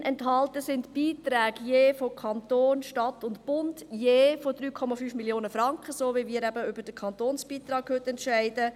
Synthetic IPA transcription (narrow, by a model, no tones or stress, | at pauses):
nʔɛntɦɑltəsɪntb̥iːt̪ɾɛːɡjeːfokʰɑntoːnʃtɑtʊntb̥ʊndjeːfod̥ɾyːkʰɔmɑfyːfmiljoːnəfɾɑŋkχəsoːʋimiːɾæbəʏbəd̥əkʰɑntoːnsb̥iːt̪ɾɑːkhøtɛntʃæɪdə